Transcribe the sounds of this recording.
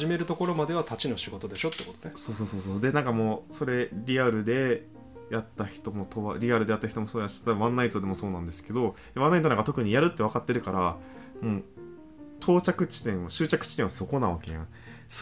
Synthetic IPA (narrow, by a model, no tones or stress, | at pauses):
ʑime̞ɾɯ̟t̪o̞ko̞ɾo̞mad̪e̞βat̪at͡ɕino̞ɕiɡo̞t̪o̞d̪e̞ɕo̞t̪ːekot̪oneso̞ːsoːso̞ːsoːd̪e̞nãŋkamo̞ːso̞ɾe̞ɾʲiaɾɯ̟d̪e̞ | jat̪ːaçi̥t̪o̞mo̞t̪o̞βaɾʲiaɾɯd̪eat̪ːaçi̥t̪omosoːd̪jaɕi̥t̪aβãnːait̪o̞d̪e̞mo̞soːnãnd̪e̞sɨ̥ke̞d̪o̞ | aβãnːait̪oaŋɡat̪o̞kɯ̟ɲ̟ijaɾɯ̟t̪ːe̞βakat̪ːe̞ɾɯ̟kaɾa | moː | t̪ʰo̞ːt͡ɕakɯ̟t͡ɕi̥t̪ẽ̞ɰ̃βaɕɨːt͡ɕakɯ̟̥t͡ɕi̥t̪ẽβasoko̞nãβake̞̰jã̰ | s